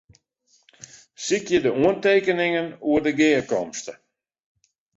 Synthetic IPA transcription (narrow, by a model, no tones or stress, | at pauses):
sikjədəuənteːkənɪŋənuərdəɡɪːəkɔmstə